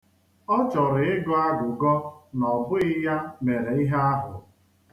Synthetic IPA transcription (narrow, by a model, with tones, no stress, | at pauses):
ɔ˦t͡ʃɔ˨ɾɪ˨ɪ˦ɡɔ˦a˦ɡʊ˨ɡɔ˦nɔ˨bʊ˦ɪ˦ja˦me˨ɾe˨i˦ɦa˦a˦ɦʊ̰˨